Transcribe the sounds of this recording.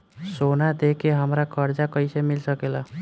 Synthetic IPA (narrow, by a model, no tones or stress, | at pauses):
sonad̪ekeɦəmɾakəɾd͡ʒakəjsemilsəkelə